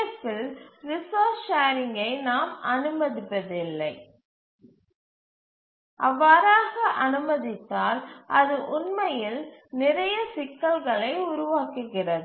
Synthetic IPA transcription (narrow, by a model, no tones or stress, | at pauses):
ɐpːɪlɾɪsoːt͡ʃʃaːɾɪŋɡɐɪnaːmɐnɯmɐðɪpːɐðɪlːɐɪ | ʔɐʋːaːɾaːɣɐʔɐnɯmɐðɪt̪ːaːlʔɐðɯʔʊnmɐjɪlnɪɾɐjɐsɪkːɐlɣɐɭɐɪʊɾʊʋaːkɯɣɪrɐðɯ